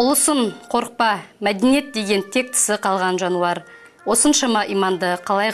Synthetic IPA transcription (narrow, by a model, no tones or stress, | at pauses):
ʊlˠəsənqʰo̞ɾəq̚pɑmæd̪enije̞t̪̚d̪e̞ɡʲent̪ʰe̞k̚t̪ʰə̥sɪqʰɑlˠʁɑnʒɑnuɑɾ | wo̞sənʃɑmɑʔijmɑnd̪əqʰɑlˠɑj